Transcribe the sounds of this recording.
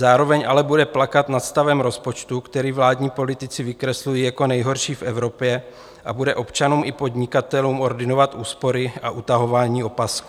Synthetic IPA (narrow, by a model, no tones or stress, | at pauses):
zaːɾo̞vɛɲʔa̰lɛbudɛplakat̪nat̪st̪avɛmɾo̞spo̞t͡ʃt̪ukt̪ɛɾiːvlaːdɲiːpo̞lɪt̪ɪt͡sɪvɪkɾɛslujiːjako̞nɛjɦo̞ɾʃiːfʔɛvɾo̞pjɛ | ʔa̰budɛʔo̞pt͡ʃanuːmʔɪpo̞d̪ɲɪkat̪ɛluːmʔo̞ɾdɪno̞vat̪ʔuːspo̞ɾɪʔaʔut̪aɦo̞vaːɲiːo̞pask